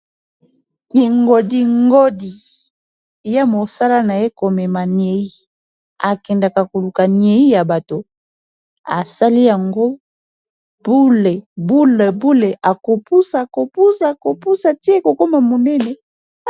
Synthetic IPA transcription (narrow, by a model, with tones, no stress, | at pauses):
ki˨ŋɡo˨di˨ŋɡo˦di˨ | ja˦mo˨sa˦la˦na˨je˦ko˨mɛ˨ma˨nje˨i˦ | a˨kɛ˨nda˨ka˨ko˨lu˨ka˨ni˨e˨i˦ja˨ba˨to˨ | a̰˨sa˦li˦ja˨ŋɡo˦ | bu˦le˨bu˦le˨bu˦le˨ʔa˨ko˨pu˦sa˨ko˨pu˦sa˨ko˨pu˦sa˨ti˦e˦ko˨ko˦ma˨mo˨nɛ˦ne˨